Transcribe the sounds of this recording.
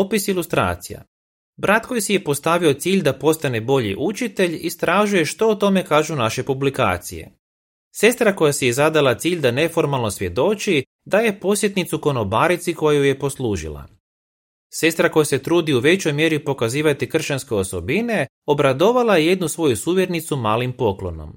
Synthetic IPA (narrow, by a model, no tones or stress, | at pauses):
opisilˠust̪ɾa̰ːt̪sija̰ | bɾʔat̪ko̞jsije̞po̞st̪aʋio̞t̪siːʎʲd̪apo̞st̪ane̞bo̞ʎḭʔut͡ʃit̪e̞ʎist̪ɾaːʒuje̞ʃt̪o̞ːt̪o̞me̞kaːʒunaʃe̞publika̰ːt̪sḭje̞̰ | se̞st̪ɾako̞jasijezad̪alˠat̪siːʎd̪ane̞fo̞ɾmalˠno̞sʋje̞d̪o̞t͡ʃi | d̪aje̞po̞sjet̪nit̪suko̞no̞baːɾit̪siko̞jajuje̞po̞sluːʒḭlˠa̰ | se̞st̪ɾako̞jase̞t̪ɾuːd̪iuʋe̞t͡ɕo̞jmje̞ɾipo̞kaziːʋat̪ikr̩ʃt͡ʃanskeo̞so̞bine̞ | o̞bɾad̪o̞ʋalajeje̞d̪nusʋo̞jusuːʋjeɾnit̪sumaːlimpo̞klo̞̰no̰m